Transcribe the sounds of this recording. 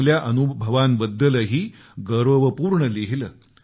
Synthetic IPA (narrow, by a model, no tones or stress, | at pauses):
ljaʔənubʱəʋambəd̪ːələɦiː | ɡəɾʋəʋəpuːɾɳəleɦiləː